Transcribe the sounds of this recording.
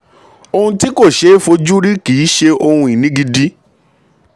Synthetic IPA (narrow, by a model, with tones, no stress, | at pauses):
o˧hũ˧ti˦ko˦˨ʃe˨˦fo˧d͡ʒu˦ɾi˦ki˨˦ʃe˧ʔo˧hũ˧i˨nĩ˨˦ɡi˧di˦